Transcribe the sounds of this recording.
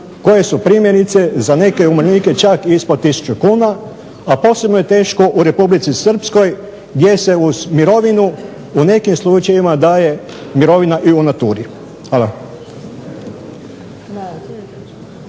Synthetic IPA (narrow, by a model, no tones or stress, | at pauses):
ko̞je̞supɾimje̞ɾit̪se̞zane̞ke̞umɾniːke̞t͡ʃakispot̪isu̥t͡ʃukuːna | apo̞sebnoje̞t̪e̞ːʃko̞ʔuɾe̞publit̪sisr̩psko̞j | ɡd̪je̞se̞uzmiɾo̞ʋinu | une̞kimslˠut͡ʃaʋimad̪aːje̞ | miɾo̞ʋinaʔiunat̪uːɾi | xala